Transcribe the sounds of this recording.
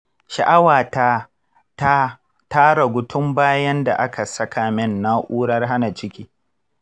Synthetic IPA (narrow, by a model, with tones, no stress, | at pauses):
ʃa˨ʔa˦waː˨ta˦ | ta˦ | taː˦ɽa˨ɡʷʊ˦tʰʊ˦mbaː˦jɐ˦nda̰˨ʔa˦kʰa˨sɐ˦kaː˨mɪ˦nːa˦ʔuː˦ɽɐ˦rɦa˦na˨t͡ʃɪ˦kʲiː˦